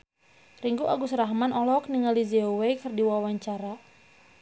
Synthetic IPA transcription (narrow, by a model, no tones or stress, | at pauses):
riŋɡuʔaɡusəɾaɦmanʔɔlɔk̚niŋalizeowejkɨrdiwawaɲt͡ʃaɾa